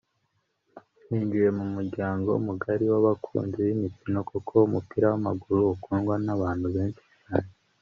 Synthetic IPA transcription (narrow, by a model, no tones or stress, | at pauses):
niːɲd͡ʒuje̞mumuɾɟaːŋɡo̞̰umuɡaɾiwaβakʰṵːnziβimitino̞kokʰo̞umupiɾawamaɡuɾuːkuːnɡwanaβaːn̥huβe̞ːnʃi̥t͡ʃaːɲe